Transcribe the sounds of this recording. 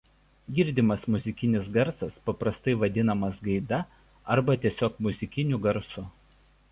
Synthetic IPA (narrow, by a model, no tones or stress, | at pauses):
ɡʲɪɾʲd̪ʲɪmɐsmʊzʲɪkʲɪnʲɪs̬ɡɐɾsɐspɐpɾɐst̪ɐɪʋɐd̪ʲɪnɐmɐsɡɐɪd̪ɐ | ɐɾbɐt̪ʲiɛsʲoːkmʊzʲɪkʲɪnʲʊɡɐɾsʊ